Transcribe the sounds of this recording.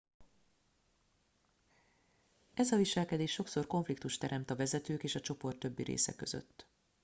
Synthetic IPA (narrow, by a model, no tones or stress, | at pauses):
ɛzɒviʃɛlkɛd̪eːʃːo̞kso̞rko̞ɱflik̚t̪uʃt̪ɛɾʔɛmt̪ɒvɛzɛt̪øːkeːʃɒt͡ʃo̞po̞rt̪ːø̞bːiɾḛːsɛ̰kø̞zø̰t̪ː